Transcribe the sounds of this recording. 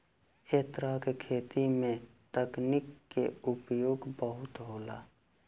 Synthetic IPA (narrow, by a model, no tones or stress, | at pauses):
eːt̪ɾakekʰeːt̪imẽt̪əknɪkːeʊpjoːɡbəɦʊt̪ɦoːla̰ː